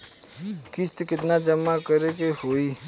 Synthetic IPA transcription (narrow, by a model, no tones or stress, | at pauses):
kɪst̪kɪt̪nad͡ʒəmːakəɾekehoːi